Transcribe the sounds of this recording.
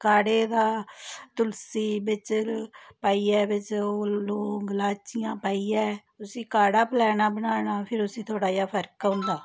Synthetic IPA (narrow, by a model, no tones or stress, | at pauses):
kaːɽeːd̪aːt̪ʊlsiːbɪt͡ʃpaːiːɛːʋɪt͡ʃoːloːɡəlaːt͡ʃɪjãːpaːiːɛː | ʊsiːkaːɽaːpəlɛːnaːbənaːnaːpʰɪɾʊsĩːt̪ʰoːɽaːjaːpʰəɾkʊ̃nd̪aː